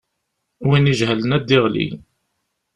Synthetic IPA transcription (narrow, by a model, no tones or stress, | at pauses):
winiʒɦələnæd̪ːiʁlḭ